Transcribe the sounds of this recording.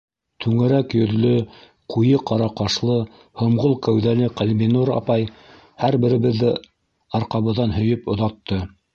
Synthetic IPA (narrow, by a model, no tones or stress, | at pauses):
t̪ʰʉŋɘ̆ɾækjɵ̆ðlɵ | qʰujɤqɑɾɑqɑʃlˠɤ | hŏmʁolˠkæwðælɘqælʲminoɾɑ̰pɑj | hæɾbɘ̆ɾɘ̆βɘ̆ðːɘ | ɑɾqɑβɤ̆ðːɑnɦɵ̆jɵpŏðɑt̪ːɤ